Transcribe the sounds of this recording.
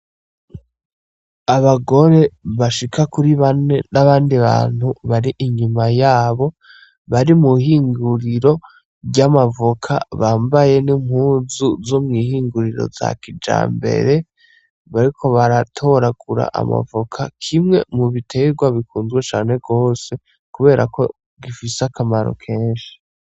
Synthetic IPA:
aβaɡo̞ɾe̞βaʃikʰakuɾiβanenaβaːndiβa̰ːn̥huβaɾiʔiɲumajaːβo̞ | βaɾimuɦiːŋɡuɾiɾo̞ | ɟamavokʰa̰βaːmbaje̞nim̥huːzuzomŋiːhiːŋɡuɾiɾo̞̰za̰kid͡ʒa̰ːmbe̞̰ɾe̞ | βaɾikʰo̞βaɾatʰo̞ɾaɡ̥uɾa̰ʔa̰ma̰vokʰakʰimŋe̞̰muβitʰe̞ɡwaβikuːnzɡwet͡ʃaːne̞ɡo̞ːse̞ | kuβe̞ːɾʔa̰ko̞ | ɡifiseakʰamaɾo̞̰kʰe̞ːnʃi̥

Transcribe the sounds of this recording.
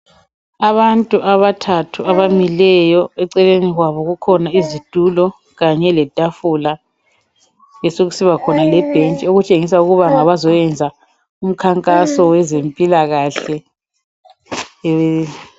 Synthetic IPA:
aβantʼuʔaβatʰatʰuaβamilɛjɔɛǀɛleniɣwaβɔɣukʰɔnaizid̥ʱulɔ | ɣaɲɛlɛd̥ʱafula | jɛsoɣusiβakʰɔnalɛb̥ʱent͡ʃʼioɣut͡ʃʼeŋis̬auɣuβaŋaβazɔjɛnd͡zʱa | um̩kʰaŋkʼasɔwɛzempʼilaɣaɬɛ

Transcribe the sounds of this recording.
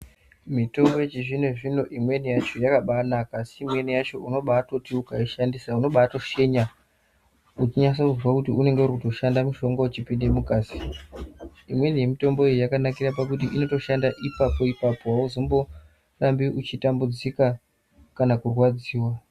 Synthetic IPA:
mito̞mbo̞jet͡ʃiʐine̞ʐino̞ʔimwe̞nijat͡ʃo̞jakaɓanakasiːmwe̞nijat͡ʃo̞ʔuno̞ɓaːto̞tiukaiʃandisauno̞ɓato̞ʃe̞ɲa | ut͡ʃiɲasokuvwakutiune̞ŋɡeuɾikuto̞ʃandamiʃo̞ŋɡaut͡ʃipinde̞mukaːsi̥ | imwe̞nije̞mito̞mbo̞ejojakanakirapakut̬iʔino̞to̞ʃandaʔipapo̞ipapowauzombo̞ | rambiʔut͡ʃitambud͡zika | kanakurwad͡ziːwa

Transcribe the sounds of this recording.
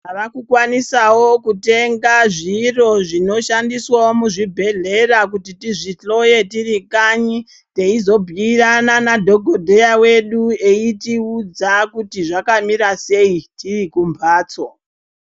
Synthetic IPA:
aʋakukwanisawo̞kute̞ŋɡaʐiro̞ʐino̞ʃandiswaomuʐibʱe̞ɮe̞rak̬utitiʐiɬo̞je̞tirikaɲi | te̞izo̞bʱiːrananadʱo̞ɡʱodʱejawe̞ɗue̞itiud͡zakutiʐakamiɾase̞itirikumbʱaːt͡so

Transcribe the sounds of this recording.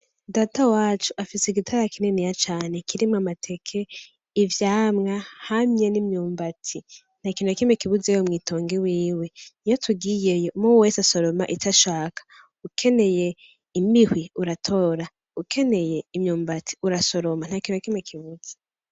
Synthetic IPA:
daːtawaːt͡ʃuʔafiseɡitʰaɾakinenijat͡ʃaːne̞kʰiɾimamatʰe̞kʰe̞ | ivjaːmŋahamɲenimɲuːmbatʰi | n̥hakiːnujakimekiβuzejomŋiːto̞ːŋɡiwiːwe̞ijotʰuɡijejomoweːsaso̞ɾo̞ma̰ʔitaʃaːkḁ | ukʰe̞ne̞je̞ | imihwiuɾatʰo̞ɾa | ukʰe̞ne̞je̞imɲuːmbatʰi̥uɾaso̞ɾoman̥akiːnujakimekʰiβud͡ze̥

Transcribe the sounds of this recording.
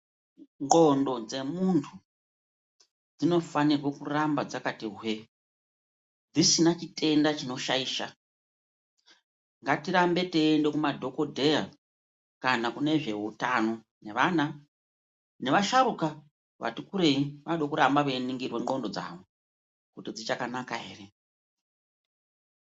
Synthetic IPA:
ŋɡo̞ndo̞d͡ze̞muntʰu | d͡zino̞fanirwekurambad͡zakatiɦwe | d͡zisinat͡ʃitʰe̞ndat͡ʃino̞ʃaiːʃa̰ | ŋɡatiɾambe̞teːnde̞kumadʱo̞ko̞dʱe̞ja | kanakune̞ʐe̞utano̞ | ne̞ʋana | ne̞ʋaʃaɾuka | ʋa̰tukuɾeiʋaɗokuɾambaʋeniŋɡirwe̞ŋ͡ǃo̞ndo̞d͡za̰ʋo̞ | kutid͡zit͡ʃakanakaɦe̞̰ːre̞

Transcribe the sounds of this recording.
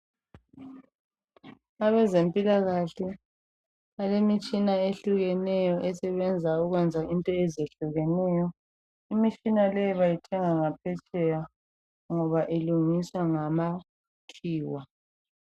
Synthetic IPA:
aβɛzempʼilaɣaɬɛ | alemit͡ʃʼinaeɬuɣɛnɛjɔʔɛsɛβɛnd͡zʱauɣwɛnd͡zʱaʔintʼɔɛzeɬuɣɛnɛjɔ | imit͡ʃʼinalɛjɔβajitʰɛŋaŋapʰɛt͡ʃʼɛja | ŋɔβaʔeluŋiswaŋama | tʰiːwa

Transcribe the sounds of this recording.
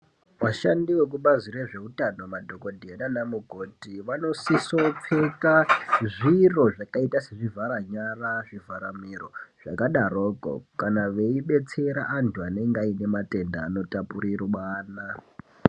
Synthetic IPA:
ʋaʃandiwekuɓazire̞ʐe̞utano̞madʱoko̞dʱenanamuɡʱotiʋano̞siso̞p͡fe̞kaʐiro̞ʐakaitase̞ʐivaɾaɲaraʐivaɾamiro̞ʐ̥akaɗaroːko̰kanaʋe̞iɓe̞t͡se̞ɾa̰ʔantʰuane̞ŋɡaine̞mate̞nda̰ːno̞tapurirwaːna

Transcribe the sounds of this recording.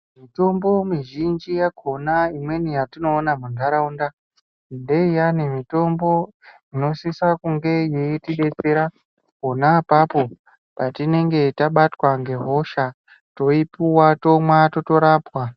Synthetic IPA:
mito̞mbo̞miʒind͡ʒijakʰo̞naimwe̞nijatino̞ːnamundaɾaunda | nde̞ijanemito̞mbo̞ | ino̞sisakuŋɡe̞jejitiɓe̞t͡se̞ɾa | konaːpapo̞ | patine̞ŋɡe̞taɓatwaŋɡe̞ɦo̞ʃa | to̞ipuwato̞mwato̞to̞ɾaːpwa

